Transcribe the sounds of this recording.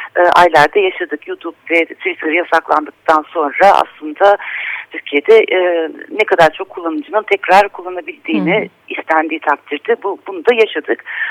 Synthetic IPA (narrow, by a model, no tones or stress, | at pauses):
ɛːʔa̰jlʲæɾd̪ɛjaʃad̪ɯkjut̪ʰupvɛt̪ʰvit̪ʰɯɾɯjasaklˠa̰nd̪ɯk̚t̪ʰanso̞nɾaʔa̰slˠɯnd̪at̪ʰyɾcʰije̞d̪ɛʔnɛkʰad̪aɾt͡ʃʰo̞kʰːulˠːanɯd͡ʒɯnɯnt̪ʰɛcɾaɾkʰulˠːanabilʲd̪iːnɪ | islʲænd̪iːt̪ʰak̚t̪ʰiɾd̪ɪbubunud̪ajaʃad̪ɯk